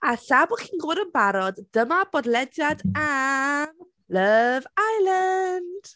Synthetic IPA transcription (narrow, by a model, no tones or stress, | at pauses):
aɬabʊχinɡʊːɾənbaɾɔdːəmabɔdlɛdjada | ləvajlˠand̥